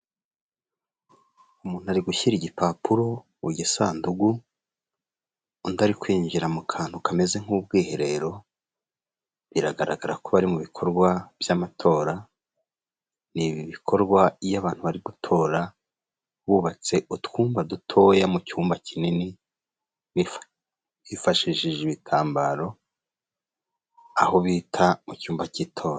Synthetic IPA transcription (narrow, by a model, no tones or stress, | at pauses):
umuːn̥uaɾiɡuçiɾiɟipapuɾo̞ | uɟisaːnduɡu | undaɾikwiːɲɟiɾamukʰaːn̥hukame̞ze̞ŋ̥uːbɡiːhe̞ɾe̞ɾo̞ | βiɾaɡaɾaɡaɾakoβaɾimuβikʰo̞ɾɡwavjamatʰo̞ːɾa | niβiβikʰo̞ɾɡwajaβaːn̥huβaɾiɡutʰo̞ːɾa | βuβat͡se̞ʔutwuːmbadutʰo̞jamucuːmbacinini | βi | βifaʃiʃiʒeβitʰaːmbaɾo̞ | aho̞βiːtʰamucuːmbaciːtʰo̞ːɾa